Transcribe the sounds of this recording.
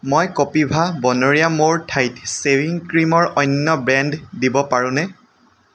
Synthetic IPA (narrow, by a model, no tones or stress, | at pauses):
mojkopibʱabɔnoɹijamoɹtʰajtsewiŋkɹimɔɹɔjnːɔbɹɛnddibɔpaɹʊ̃nɛ